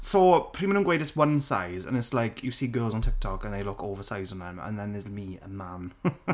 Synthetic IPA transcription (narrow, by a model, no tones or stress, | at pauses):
sopʰɹ̥iːmə̃nə̃nɡweɪdəswə̃nsa̰ɪzə̰̃nɪtslaɪkʰjəsiːɡɜːlˠzn̩tʰɪk̚tʰɔkə̃nðeɪlʊkoːvəsaɪz̃n̩ðə̃mə̰̃nðə̃nðəzmiə̰mãm